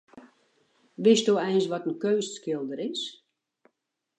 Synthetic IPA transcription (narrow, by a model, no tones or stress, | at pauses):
ʋɪsdoːɛjnsʋɔtənkøːsskɪlˠdəɾɪs